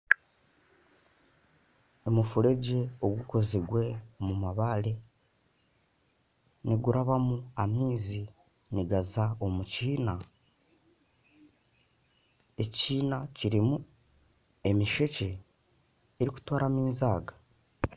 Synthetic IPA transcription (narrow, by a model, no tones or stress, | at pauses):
emufuɾe̞ɟe̞o̞ɡuko̞ziɡwe̞mumaβale̞ | niɡuɾaβamuamiːzi | niɡazao̞muciːna | e̞ciːnaciɾimu | e̞miʃe̞ce̞ː | ɾiku̥twaːɾamiːnzaːɡḁ